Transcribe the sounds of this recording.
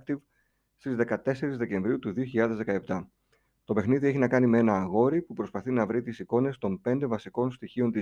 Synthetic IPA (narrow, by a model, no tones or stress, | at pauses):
kt̪iv | st̪izðe̞kɐt̪e̞se̞ɾizðe̞cẽ̞ɱvɾiut̪uðio̞çiʎɐðe̞zðe̞kɐe̞p̚t̪ɐ | t̪o̞pe̞xniðieçinɐkɐnimee̞nɐːɣo̞ɾipupɾo̞spɐθinɐvɾit̪isiko̞ne̞st̪o̞mpe̞nd̪evɐsiko̞nst̪içio̞nt̪i